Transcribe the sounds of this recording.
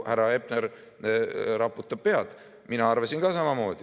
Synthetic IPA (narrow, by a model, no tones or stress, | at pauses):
hæɾɑe̞bneɾ | ɾɑpːut̪ːˑɑb̥̚pe̞ɑd̪̥ | minɑɑrvɑsinɡ̥ɑːsɑmɑmo̞ːd̪̥i